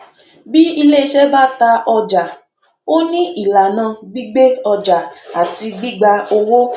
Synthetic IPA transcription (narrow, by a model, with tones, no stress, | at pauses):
bi˦i˧le˦˧˦ʃɛ˦ba˦ta˧ʔɔ˧d͡ʒa˨ | o˦nĩ˦ʔi˦˨la˨nã˨˧˨ɡ͡bi˦ɡ͡be˦ɔ˧d͡ʒa˨a˨ti˧ɡ͡bi˦ɡ͡ba˧o˧wo˦